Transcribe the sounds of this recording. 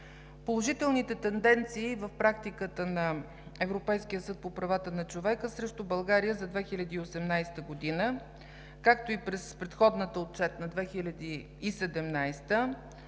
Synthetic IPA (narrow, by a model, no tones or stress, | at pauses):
polˠoʒit̪ɛlˠnit̪ɛt̪ɛnd̪ɛnt̪siːvəfpɾak̚t̪ikət̪ənɐ | ɛvɾopɛjsk̟ijəsɤt̪̚popɾɐvat̪ənɐt͡ʃovɛkəsɾɛʃt̪ʊbɐlˠɡaɾijəzɐd̪vɛxilʲɐd̪iːosɛmnajst̪əɡod̪inə | kak̚t̪oipɾɛspɾɛt̪xɔd̪nət̪əot̪̚t͡ʃɛt̪nɐd̪vɛxilʲɐd̪iː | sɛd̪ɛmnajst̪ə